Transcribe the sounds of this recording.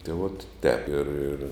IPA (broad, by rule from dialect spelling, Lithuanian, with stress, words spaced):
tʲeː ʋoːt tʲɛːp ɪr ɪr